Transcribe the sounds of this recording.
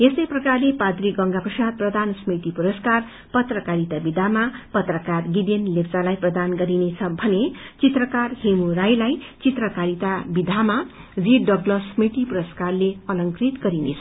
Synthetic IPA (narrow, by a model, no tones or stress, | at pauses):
esʌjprʌkarlepad̪ɾiɡʌŋɡaprʌsad̪̚prʌd̪ʱansmit̪ipuɾʌskar | pʌt̪rʌkaɾit̪abid̪ʱamapʌt̪rʌkarɡid̪enlept͡salajprʌd̪anɡʌɾinet͡sʰʌbʱʌnet͡sit̪rʌkarhemuɾajlajt͡sit̪rʌkaɾit̪abid̪ʱama | d͡ziɖʌɡlʌsmit̪ipuɾʌskarleʌlʌŋkrit̪ɡʌɾinet͡sʰʌ